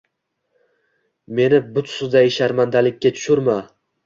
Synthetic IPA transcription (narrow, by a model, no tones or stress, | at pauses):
me̞nɪbʊt̪ʰsʊd̪ajɪʃaɾmand̪alɪkʲːat̪ʰʊ̥ʃʊɾma